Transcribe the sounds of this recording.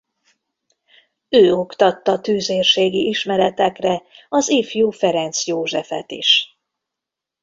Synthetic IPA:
øːokt̪ɒt̪ːɒt̪yːzeːrʃeːɡiʔiʃmɛɾɛt̪ɛkrɛɒzifjuːfɛɾɛnt̪sjoːʒɛfɛt̪ḭʃ

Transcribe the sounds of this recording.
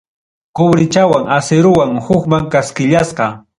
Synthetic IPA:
kʊbɾɪt͡ʃawaŋaseɾʊwaŋhʊkmaŋkaskɪʎasqɑ

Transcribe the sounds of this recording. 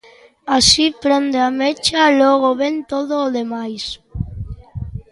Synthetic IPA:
asipɾend̪eamet͡ʃalɔɣ̞oβent̪oðoːðemajs

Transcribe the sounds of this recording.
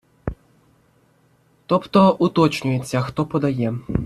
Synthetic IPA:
t̪ɔpt̪ɔʔut̪ɔt͡ʃnʲʊjet͡sʲːaxt̪ɔpɔd̪ajɛ

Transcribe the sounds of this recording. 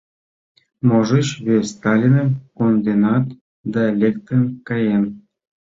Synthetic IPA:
moʒə̆t͡ɕβʲesʲt̪ɑlʲinə̆mkond̪enɑt̪ | d̪ɑlʲek̚t̪ənkɑjem

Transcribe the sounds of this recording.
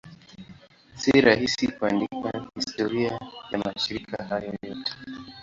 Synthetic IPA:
siɾahisikuandikahistɔɾiajamaʃiɾikahajɔjɔtɛ̥

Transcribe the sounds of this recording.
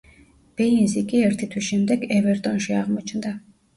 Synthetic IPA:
b̥einzikʼiɛɾt̪ʰit̪ʰwiʃɛmd̪ɛkɛvɛɾt̪ʼɔnʃiaʁmɔt͡ʃʰnd̪a

